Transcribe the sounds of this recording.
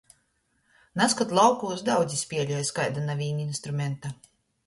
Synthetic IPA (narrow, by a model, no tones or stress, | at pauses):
naskat̪lˠawkuːzd̪awd̪zisʲpʲiɛlʲujskajd̪anavʲiːnʲinst̪ɾumʲɛnt̪a